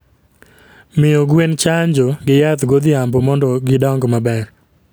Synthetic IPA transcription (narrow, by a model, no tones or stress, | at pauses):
mɪoɡwent͡ʃaɲd͡ʒɔɡɪjat̪ɡod̪ɪambɔmɔndɔɡɪdɔŋɡɔmabɛr